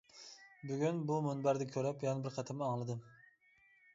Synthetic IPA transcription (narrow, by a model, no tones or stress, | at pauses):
byɡʲynbumʊnbæɾd̪ɛkʲʰøɾɛpjɑnbɪɾqʰɑt̪ʰɪmɑŋlˠɨd̪ɨm